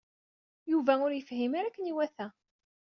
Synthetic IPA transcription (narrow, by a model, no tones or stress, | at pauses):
juvæʊɾjəfhimaɾækːəniwæθæ